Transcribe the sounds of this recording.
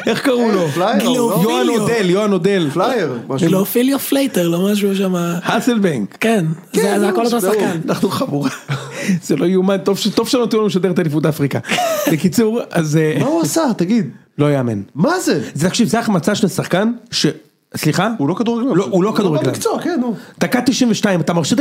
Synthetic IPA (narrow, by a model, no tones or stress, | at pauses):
ʔe̞χkaʁulo̞flajojoanod̪eljoanod̪elflajeʁmaʃlofiljoflejt̪eʁlomaʃ̬uʃ̬amahaselbeŋɡken | zezeakolot̪osannaχnuχamuʁaz̥elo̞jumant̪ovʃet̪ov̥ʃelot̪ulomeʃad̪eet̪alifud̪afʁikabekit͡suʁazemauasat̪aɡid̪ | lo̞jeaːmḛnmazezet̪akʃivzeaχmat͡saʃlesaχkanʃe | sliχaulokad̪uʁaɡlaloulo̞kaduʁeɡla̰kt͡sukenːud̥̪akat̪ːiʃimveʃtaimat̪amaʁʃit̪